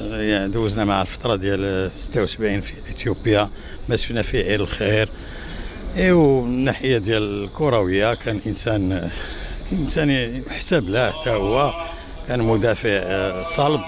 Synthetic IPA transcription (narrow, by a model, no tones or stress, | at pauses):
jd̪æwəznæmaʕəlfɑ̥t̪ˤɾˤɑd̪jælsə̥t̪ːawsəbʕinfiʔit̪jubəja | mæsəfnæfiʕiləlxiɾ | ʔiwnːaħəjːad̪jællkuɾˤɑwəjːakʰænʔənsæn | kæʔənsænħsæblæħt̪ʰæhʊwːæ | kænmʊd̪æfəʕsˤɑlb̚